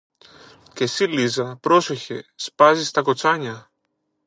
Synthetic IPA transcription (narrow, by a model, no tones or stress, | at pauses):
kesilizapɾosoçɛ̰spazist̪akot͡saɲa